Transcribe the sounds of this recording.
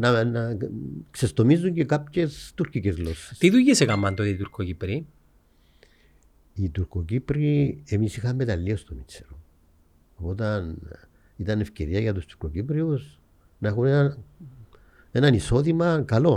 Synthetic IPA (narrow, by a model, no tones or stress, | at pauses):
nanaksest̪omiz̬uŋɡekap̚cest̪uɾkikezɣlose̥st̪iðujesekamːant̪oðeit̪uɾkokipɾi | it̪uɾkokipɾiemisixambet̪alːiost̪omit͡seɾo | opot̪̬an | it̪anefkḛɾiajat̪ust̪u̥ɾkokip̬ɾios | naxunea | enanisoðimakalo